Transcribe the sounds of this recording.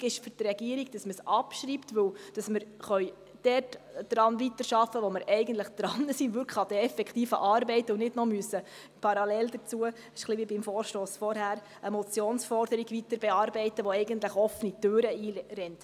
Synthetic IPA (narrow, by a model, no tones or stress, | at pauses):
ɡɪʃfʏɾtrɛɡiəɾiɡ̚d̥ɑsməsɑpʃɾiptʋɵwd̥ɑsmɪɾχœj | d̥ɛrtd̥ɾɑnvit̪əɾʃɑfːəʋɔmɪɾɛɪɡən̩t̪ləχd̥̪ɾɑnəsinʋʏɾkʰɑd̥̪ɛɛfɛkχtiːfə̰ʔɑːɾbɛɪtəʊnɪdnɔmyəsːə | pʰɑɾɑlɛld̥əɾt͡suə | ʃχliʋibɪmfɔːɾʃtoːsfɔɾhæːɾ | əmɔt͡sjoːnsfɔɾd̥əɾiɡʋit̪əɾbɛɑːɾbɛɪtːəʋoɛɪɡənt̪ləχɔfənitøːɾəiːɾɛnt